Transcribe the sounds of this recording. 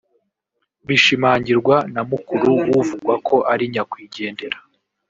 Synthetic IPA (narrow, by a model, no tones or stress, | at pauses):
βiʃimaːɲɟiɾɡwanamukuɾuwuvuɡwakʰo̞ʔaɾiɲakwiːɟe̞ːnde̞ɾa